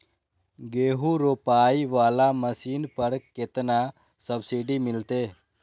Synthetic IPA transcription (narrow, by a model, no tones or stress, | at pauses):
ɡeːɦuɾoːpaːiʋaːlaməsiːnpəɾkɪt̪na | səbsiɖimɪlt̪eː